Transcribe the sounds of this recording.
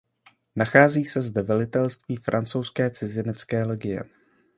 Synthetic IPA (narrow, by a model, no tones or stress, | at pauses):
naxaːziːsɛzdɛvɛlɪt̪ɛlst̪viːfɾʔant͡sowskɛːt͡sɪzɪnɛt͡skɛːlɛɡɪjɛ̰